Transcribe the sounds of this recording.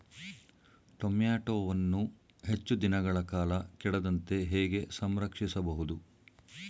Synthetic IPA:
ʈomjaːʈoːʋɐnːu | ɦe̞t͡ʃːud̪inɐɡɐɭɐkaːlɐkɛɽɐd̪ɐnt̪e̞ɦɛːɡe̞sɐmɾɐkʂisɐbɐɦud̪u

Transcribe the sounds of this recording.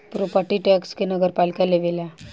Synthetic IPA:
pɾopəɾʈiʈɛkskenəɡəɾpaːlikaleʋela

